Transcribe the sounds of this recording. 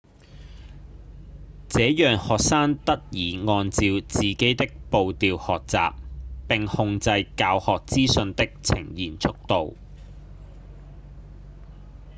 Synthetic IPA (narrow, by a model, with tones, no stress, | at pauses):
t͡sɛː˨˥jœː˨˩ŋhɔː˨k̚saː˥ŋt̪ɐ˥t̚jiː˨˩ŋɔː˧nt͡siː˧wt͡siː˨ke˨˥jt̪ɪ˥k̚po˨wt̪iː˨˧whɔː˨k̚t͡sa̰ː˨p̚pɪ˨˩ŋhʊ˧ŋt͡sɐ˧jkaː˧whɔː˨k̚t͡siː˥sɵ˧nt̪ɪ˥k̚t͡sʰɪ̰˨˩ŋjiː˨˩nt͡sʰʊ˥k̚t̪o˨w